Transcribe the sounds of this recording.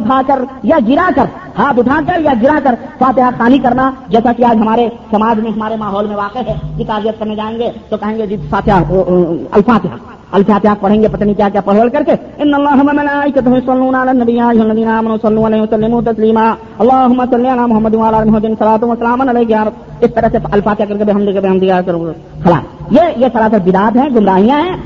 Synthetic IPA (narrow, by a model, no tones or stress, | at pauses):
t̪ʰakəɾjaɡɪɾakəɾ | haːt̪ʊt̪ʰakəɾjaɡɪɾakəɾfaːt̪ɪɦaxaːnikəɾnad͡ʒɛːsakiaːd͡ʒɦɐmaːɾesɐmaːd͡ʒmẽɦɐmaːɾemaːɦɔːlmẽʋaːqeɦɛkikaːɾijət̪̚kəɾned͡ʒaːẽŋɡet̪okɐɦẽŋɡed͡ʒisaːt̪ʰɪɦa | ə̰lfaːt̪ɪɦa̰ | əlfʰaːt̪ɪɦapəɽ̤ẽŋɡepɐt̪nikjakjapəɽʋəlkɐɾke | ɪnːəlːaːɦɐmemɐlaːikɐt̪ɐmĩsɐlːuːnalanːɐbijãjɦonɐd̪iːnamənũsɐlːũaleːmsɐlːimũt̪ɐsliːma | ɐlːaːɦʊmːasɐlːianamʊɦəmːəd̪ũwaːlaːlmʊɦəd̪ɪnsɐlaːt̪uəsːəlaːmənəleːk̬jaːmt̪ | ɪst̪əɾəɦseɐlfaːt̪ɪɦakɐɾkebeɦɐmd̪kebeɦɐmd̪ikakəɾ | kʰɐla̰ːfjejesɐlaːt̪ʰəbɪd̪aːt̪ɦɛ̃ɡʱʊmɾaːijãɦɛ̃